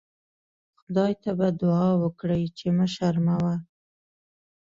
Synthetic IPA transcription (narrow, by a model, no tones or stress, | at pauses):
xʊd̪ɑjt̪abad̪ʊɑwəkɽəjt͡ʃeməʃaɾmawa